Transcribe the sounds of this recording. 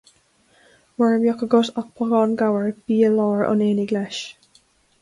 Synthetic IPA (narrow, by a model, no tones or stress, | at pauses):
wɛɹəmjɔkəɡɔsak̚pʰɔɡɑːnɡawəɹb̥iːəlɔːɹʔɔ̰neːniɡlɛʃ